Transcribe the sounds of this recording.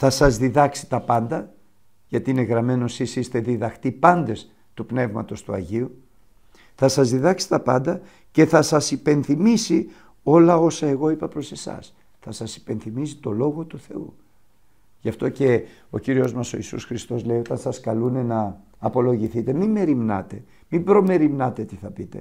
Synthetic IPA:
θɐsɐzðiðɐksi̥t̪ɐpɐnd̪ɐ | ʝɐt̪iine̞ɣɾɐme̞no̞sisist̪e̞ðiðɐxt̪ipɐnd̪e̞s | t̪upne̞vmɐ̰t̪o̞st̪uɐ̰ʝiu | θɐsɐzðiðɐksi̥t̪ɐpɐnd̪ɐ | ce̞θɐsɐsipe̞nθimisi | o̞lɐo̞sɐe̞ɣo̞ipɐpɾo̞se̞sɐ̰s | θɐsɐsi̥pe̞nθimis̬i̥t̪o̞lo̞ɣo̞t̪uθe̞ṵ | ʝɐft̪o̞ce̞ | o̞ciɾio̞zmɐso̞isṵsxɾist̪o̞zle̞io̞t̪ɐnsɐskɐlune̞nɐː | po̞lo̞ʝiθit̪e̞mime̞ɾimnɐ̰t̪e̞ | mibɾo̞me̞ɾimnɐt̪e̞t̪iθɐpit̪e̞̰

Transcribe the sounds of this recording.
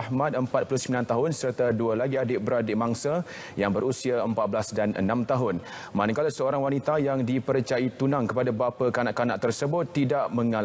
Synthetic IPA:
hmãt̪əmpat̪̚pulʊhsəmilant̪aɦʊnsərt̪adualaɡiadɪbəɾadɪʔmaŋsa | jaŋbəɾusiaəmpat̪̚bəlasdanə̰nãmt̪aɦʊn | manakalasəoɾaŋwanit̪ajaŋdipəɾt͡ʃait̪unãŋkəpadabapakanaʔkanaʔt̪ərsəbʊt̪ːidaʔmə̃ŋal

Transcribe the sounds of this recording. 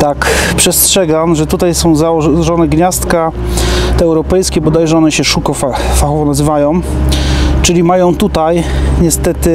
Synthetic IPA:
t̪akpʂɛstʂɛɡamʐɛt̪ut̪ajsɔ̃w̃zaɔɔʐɔnɛɡɲast̪ka | t̪ɛɛwɾɔpɛjskʲɛbɔd̪ajʐɛɔnɛɕɛʂukɔfa | faxɔvɔnazɘvajɔ̃w̃ | t͡ʂɘlʲimajɔ̃w̃t̪ut̪ajɲɛst̪ɛt̪ɘ

